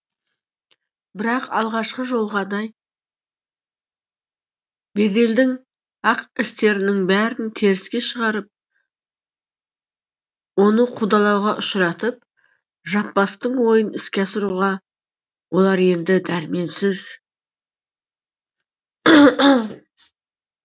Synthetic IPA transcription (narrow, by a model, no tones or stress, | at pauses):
bɪɾɑqɑlˠʁɑʃqəʒo̞lˠʁɑd̪ɑj | be̞d̪e̞ld̪ɪŋ | ɑqɪst̪e̞ɾɪnɪŋbæɾɪnt̪ʰe̞ɾɪskʲe̞ʃəʁɑɾəp̚ | wo̞nəqʰud̪ɑlˠɑwʁɑʔʊʃɾɑt̪əp̚ | ʒɑpːɑst̪əɴwo̞jənɪskʲeɑsɪɾuʁɑ | wo̞lˠɑɾe̞nd̪ɪd̪æɾɪme̞nsɪz